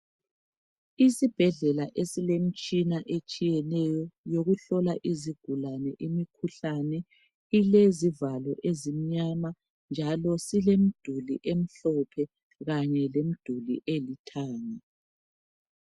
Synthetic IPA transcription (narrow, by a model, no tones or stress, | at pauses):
isib̥ʱɛɮɛlaʔesilem̩t͡ʃʼinaʔet͡ʃʼijɛnɛjɔjoɣuɬɔlaʔiziɡ̥ʱulanɛʔimikʰuɬanɛ | ilezivalɔʔezim̩ɲama | nd͡ʒʱalɔsilem̩d̥ʱulḭʔem̩ɬɔpʰɛ | ɣaɲɛlem̩d̥ʱulḭʔelitʰaːŋa